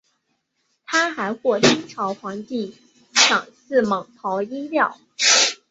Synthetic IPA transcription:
t̪ʰa˥xa˧˥ɪxwɔ˥˩t̪ʰi˥ŋʈ͡ʂʰɑ˧˥ʊxwɑ˧˥ŋt̪i˥˩ | ʂʰɑ˨˩ŋsɹ̩˥˩mɤ˨˩ŋt̪ʰɑ˧˥ʊi˥ljɑ˥˩ʊ

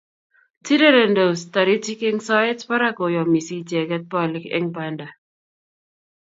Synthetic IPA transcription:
ti˦de˦ɾɛ˨ndo˨sta˨ɾi˦ti˦kɪ˦ŋsɔ˦ɪ˦tpa˦ɾa˦ko˨jɔ˨mi˨si˦tɛ˨kɛ˦t̚pɔ˦lɪ˦kɪ̰˦ŋpanda˨

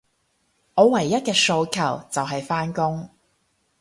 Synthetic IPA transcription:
ŋɔː˨˧wɐ˨˩jːɐ˥t̚kɛː˧so˧wkʰɐ˨˩wt͡sɐ˨wɦɐ˨jfaː˥nkʊ˥ŋ

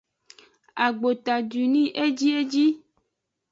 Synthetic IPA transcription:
a˨ɡ͡bo˨t̪a˨du˨nĩ˦ʔe˦d͡ʒi˦e˦d͡ʒi˦

